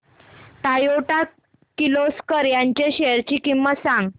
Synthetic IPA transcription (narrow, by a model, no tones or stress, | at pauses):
ʈ̪ajoʈa | kiloskəɾjãɲt͡ɕeɕeəɾt͡ɕiːkimːəsãŋɡ